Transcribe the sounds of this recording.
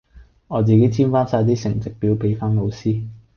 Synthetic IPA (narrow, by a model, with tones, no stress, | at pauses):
ɔː˨˧t͡siː˨˧ke˨˥jt͡sʰiː˥nfaː˥nsaː˧t̪̬iː˥sɪ˨˩ŋt͡sɪ˨k̚piː˨˥wpe˨˧jfaː˥nlo˨˧wsiː˥